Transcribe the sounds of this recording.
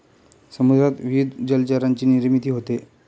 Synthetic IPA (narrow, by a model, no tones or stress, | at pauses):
səmud̪ʱɾat̪ʋiud̪d͡ʑəlt͡ɕaɾaɲt͡ɕiːniɾmit̪iːɦot̪e